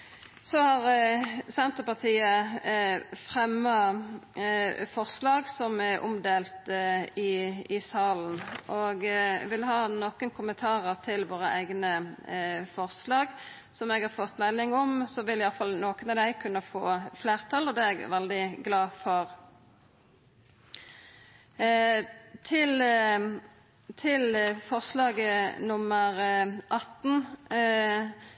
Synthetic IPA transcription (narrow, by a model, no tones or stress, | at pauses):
sɔhɑʁsɛnt̪əpɑʁt̪ʰiːə | fʁɛmːɑ | fɔʁslɑːɡsɔmɛʔʊ̰md̪eːlt̪ɪɪsɑːln̩ʔɔɡʋɪlɦɑːnoːkənkʰʊmːənt̪ʰɑːʁəʁt̪ʰɪlʋoːɾəʔæ̰ɪɡnə | fɔʁslɑːɡ | sɔmɛːɡhɑːʁfɔt̪ːmɛlːɪŋɔmsɔʋɪlɪjɑlfɑlnoːkənɑd̪æɪkʰʉnːəfo̰ːfleːʁt̪ʰɑlɔd̪ɛɛɡʋɛld̪ɪɡlɑːfɔʁ | t̪ʰɪl | t̪ʰɪlfɔʁslɑːɡnʊməɾʔɑt̪ːn̩